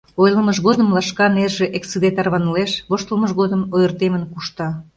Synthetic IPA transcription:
ojləməʒɣod̪əmlɑʃkɑnerʒeʔeksɨd̪et̪ɑrβɑnəleʃβoʃt̪ələməʒɣod̪əmojərt̪emənkuʃt̪ɑ

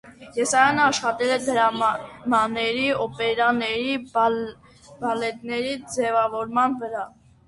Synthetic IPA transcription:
jɛsɑjɑnəɑʃχɑt̪ɛlɛd̪əɾɑmɑnɛɾiɔpɛɾɑnɛɾi | b̥ɑlɛt̪nɛɾid͡zɛvɑvɔɾmɑnvəɾɑ

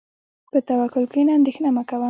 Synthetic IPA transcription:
pət̪awakʊlkinaand̪exnamakawə

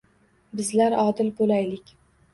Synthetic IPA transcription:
bɪzlaɾɒd̪ɪlbolajlɪkʲ

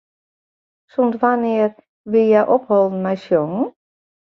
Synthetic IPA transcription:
suntʋanɪər | ʋijaʔophɔlˠn̩majsjoŋ̩

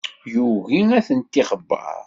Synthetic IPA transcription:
juɣiæθənt̪ːiχəbːɑ̰ɾˤ

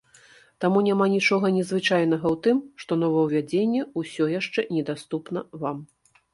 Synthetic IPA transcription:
t̪amunʲamanʲit͡ʂɔɣɐnʲɛzvɨt͡ʂajnɐɣɐwt̪ɨmʂt̪ɔnɔvɐwvʲad͡zʲenʲːɛusʲɔjaʂt͡ʂɛnʲɛd̪ast̪upn̪ɐvam

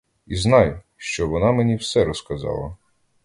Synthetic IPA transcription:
iznɑj | ʃt͡ʃɔʋɔnɑmenʲiwsɛɾɔskɐzɑ̰lˠɐ̰

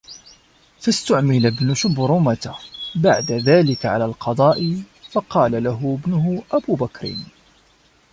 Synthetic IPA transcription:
fast̪ʊʕmɪlabnʊʃʊbɾˤʊmat̪abaʕd̪aðaːlɪkaʕa̰laːlqɑd̪ˤɑːʔɪ | fɑqɑːlalaɦʊbnʊɦʊʔabuːbakɾɪ̰n

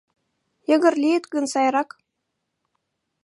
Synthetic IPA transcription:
jɤ̆ɣɘ̆rlʲiet̪kɤ̆nsɑjrɑk

